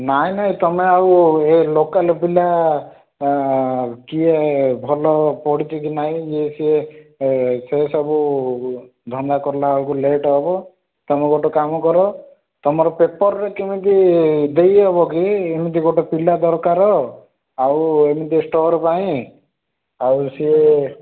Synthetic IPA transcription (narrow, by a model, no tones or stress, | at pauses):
naĩnaɦĩt̪ɔmeawelokalpila | kiebʱɔlɔpɔɽit͡ʃʰɔkinaɦĩd͡ʒesie | sesɔbu | d̪ʱɔnd̪akɔɾlaawkuleʈɔɦɔbɔ | t̪ɔmeɡoʈɔkamɔkɔɾɔ | t̪ɔmɔɾɔpepɔɾɾekemit̪id̪ejɦɔbɔkiemid̪iɡoʈɔpilad̪ɔɾkaɾɔ | awemid̪isʈɔɾpaĩ | awsie